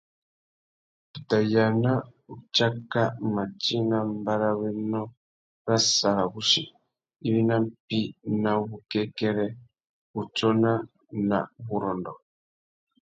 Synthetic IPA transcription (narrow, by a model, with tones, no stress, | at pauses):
i˨ta˨ja˨na˦u˨t͡ʃa˦ka˦ma˨t͡ʃi˦na˦mba˦ɾa˦wɛ˦nɔ˦ | ɾa˦sa˨ɾa˨βu˦ʃi˨ | i˦βi˦na˦m̩˦pi˦na˨βu˦kɛ˦kɛ˦ɾɛ˦ | u˨t͡ʃɔ˦na˦ | na̰˨βu˨ɾɔ˨ndɔ˨